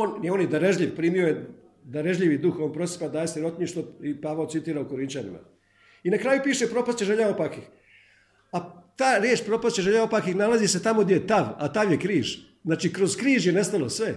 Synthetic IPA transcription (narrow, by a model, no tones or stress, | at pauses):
oːnnio̞ːnjed̪aɾeʒʎʲiʋpɾiːmio̞je | d̪aɾeʒʎʲiʋid̪uxo̞ːnpɾo̞sji̥pad̪aːjesiɾo̞t̪ɲiʃt̪oipaːʋaosit̪iːɾauko̞ɾint͡ʃanḭma̰ | inakɾaːjupiːʃepɾo̞past͡ʃeʒeʎaopakix | at̪aːɾjeːt͡ʃpɾo̞past͡ɕeʒeʎaopakixnalˠazise̞t̪amoɡd̪ʲjejet̪aʋa̰t̪aʋjekɾiːʒ̥ | znaːt͡ʃikɾo̞zkɾiːʒje̞ne̞st̪alo̞sʋe̞